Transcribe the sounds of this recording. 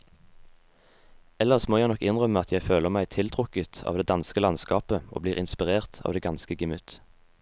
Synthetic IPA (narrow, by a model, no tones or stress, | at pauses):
ɛləʁsmoːjæɪnɔkːɪnʁœməɑt̪ʰjæɪføːləʁmæɪt̪ʰɪlt̪ʰʁʊkət̪ʰɑ̰ːʋd̪eːd̪ɑnskəlɑnskɑːpəʔo̰ːbliːʁɪnspɪʁeːʁt̪ʰɑ̰ːʋd̪eːɡɑnskəɡəmʉt̪